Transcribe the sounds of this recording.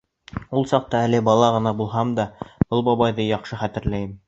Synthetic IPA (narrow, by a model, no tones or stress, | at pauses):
ulˠsɑq̚t̪ɑælɘbɑlˠɑʁɤ̆nɑbulˠɦɑmd̪ɑb̥ɤlˠbɑβɑjðɤjɑqʃɤχæt̪ɘ̆ɾlæjɘm